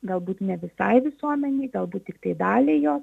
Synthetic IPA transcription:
ɡɐlˠbuːt̪nʲɛʋʲɪsɐɪʋʲɪsuɔmʲɛnʲɛɪɡɐlˠbuːt̪̚tʲɪkt̪ɐɪd̪ɑːlʲeːjoː

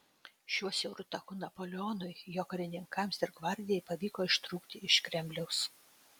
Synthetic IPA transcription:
ʃʲuɔsʲɛʊɾʊt̪ɐkʊnɐpoːlʲɪoːnʊɪjoːkɐɾʲɪnʲɪŋkɐmsɪɾɡʋɐɾʲd̪ʲɪjɛɪpɐʋʲiːkoːɪʃt̪ɾuːkt̪ʲɪɪʃkʲɾʲɛmʲbʲlʲɛʊs

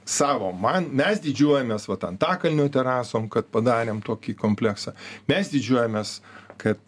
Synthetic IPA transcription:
sɑːʋoːmɐnmʲɛsd̪ʲiːd͡ʒʲuɔjɛmʲeːsʋɐt̪ɐnt̪ɑːkɐlʲnʲuːt̪ʲɛɾɑːsoːmkɐt̪̚pɐd̪ɑːɾʲeːmt̪oːkʲiːkoːmʲpʲlʲæksɑmʲɛsd̪ʲiːd͡ʒʲuɔjɛmʲeːskɐt̪̚

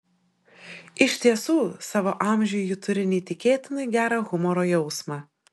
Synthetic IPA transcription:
ɪʃʲt̪ʲiɛsuːsɑːʋoːʔɑːˑmʲʒʲʊjʊt̪ʊɾʲɪnʲɪːt̪ʲɪkʲeːt̪ʲɪnɐɪɡʲæːɾɑɣʊmɔɾoːjɛʊsmɑ

